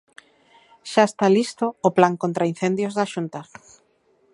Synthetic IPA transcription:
ʃaest̪alist̪oːplaŋkõnt̪ɾain̟θend̪jozðaʃunt̪a

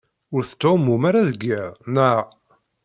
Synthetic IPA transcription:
ʊɾθt̪ːomumaɾaðəɡːiʁnæ

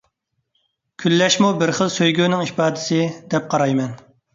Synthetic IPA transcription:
kʲʰylːɛʃmubɪɾχəlˠsøjɡʲyːnɪŋipɑːd̪ɪsɪd̪ɛp̚qʰɑɾɑjmɛn

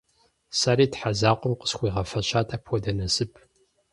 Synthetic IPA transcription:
saːɾiːtħazaːqʷɔmqə̥sχʷiːʁɐfɐɕaːtʰapʰwɔdɐnɐsɨpʰ

